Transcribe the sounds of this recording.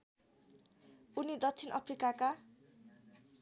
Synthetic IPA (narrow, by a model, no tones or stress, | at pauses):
unid̪ʌk̚t͡sʰinʔʌpʰrikaka